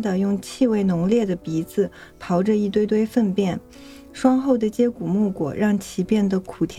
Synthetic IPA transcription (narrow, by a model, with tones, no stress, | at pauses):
d̪ə˨˩jʊ˥˧ŋt͡ɕʰi˥˧we˥˩ɪnʊ˧˥ŋljɛ˥˩d̪ə˩pi˧˥d͡zɹ̩˨˩ | pʰɑ˧˥ʊʈ͡ʂə˧i˥˩˧t̪we˥˧ɪt̪we˥˧ɪfə˥˧npjɛ˥˩n | ʂwɑ˥ŋxo˥˩ʊd̪ə˩t͡ɕjɛ˥ku˨˩mu˥˩kwɔ̰˨˩ɻɑ˥˩ŋt͡ɕʰi˧˥pjɛ˥˩nd̪ə˩kʰu˨˩t̪ʰj